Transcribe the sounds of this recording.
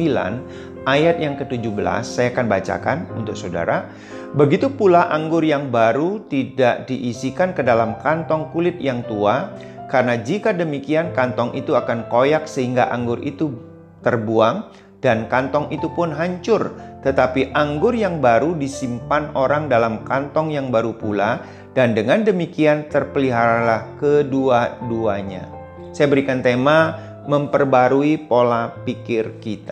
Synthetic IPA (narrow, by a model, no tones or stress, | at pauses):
ila̰n | ajat̪̚jaŋkət̪ud͡ʒubəla̰sːajakanbat͡ʃa̰kanṵnt̪ʊk̚sada̰ɾa | bəɡit̪upulaʔaŋɡʊrjaŋbaɾut̪idaʔdiʔisikankədalamkant̪ɔŋkulɪt̪̚jaŋt̪ua | kaɾənad͡ʒikadəmikiankant̪ɔŋʔḭt̪uakankojak̚səɦiŋɡa̰ʔaŋɡʊrḭt̪u | t̪ərbuaŋ | dankant̪ɔŋit̪upʊnɦaɲt͡ʃʊrt̪ət̪apiʔaŋɡʊrjaŋbaɾudisimpanoɾaŋdalamkant̪ɔŋjaŋbaɾupula | dandəŋandəmikiant̪ərpəliɦaɾalahkəduaduaɲa̰ | sajabəɾikant̪ema | məmpərbaɾuipolapikɪrkit̪ḁ